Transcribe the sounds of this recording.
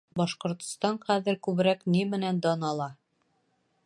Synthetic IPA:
bɒʃqŏɾt̪st̪ɑnχæðɘ̆ɾkʉβɾæknimɘ̆nænd̪ɒnɑlˠɑ

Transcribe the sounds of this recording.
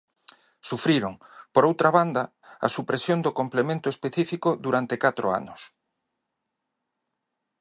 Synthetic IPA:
sufɾiɾoŋpoɾowt̪ɾaβand̪ɐ | ɐ̰supɾesjond̪okomplemẽnt̪oespeθifikoðuɾant̪ekat̪ɾoa̰nʊs

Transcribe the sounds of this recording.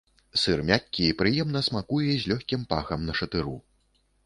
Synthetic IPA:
sɨrmʲakʲːiipɾɨjɛmn̪ɐsmakujɛzʲlʲɔxʲkʲimpaxɐmnɐʂɐt̪ɨɾu

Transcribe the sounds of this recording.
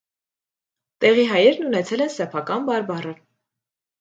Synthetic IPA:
t̪ɛʁiɦɑjɛɾnunɛt͡sʰɛlɛnsɛpʰɑkɑnbɑɾbɑrə

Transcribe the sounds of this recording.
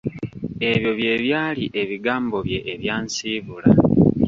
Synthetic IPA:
e̞βjo̞βje̞ːβjaːliʔeβiɡaːmbo̞βje̞ʔːβjaːnsiːβula

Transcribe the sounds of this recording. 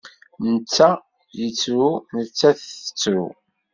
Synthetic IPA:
nət͡sːæ | jət͡sːɾunət͡sːæθə̥t͡sːɾṵ

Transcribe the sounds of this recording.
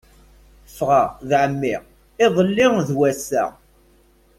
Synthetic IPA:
fʁaðʕəmːɪʁ | ɪðˤəlːɪŋðwæsːæ̰

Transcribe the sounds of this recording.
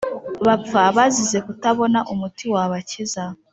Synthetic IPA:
βap͡faβazize̞kutaβo̞naʔumutiwaβaciza

